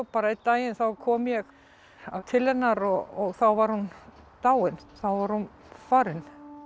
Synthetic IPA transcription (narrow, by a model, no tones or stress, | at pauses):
ɔpaːɾait̪aːjɪnθawkʰɔːmjɛɣ | at̪ʰɪlhɛnːaɾɔɔɣθawvaɾ̥hunt̪aːwɪnθawvaɾhun | faːɾɪn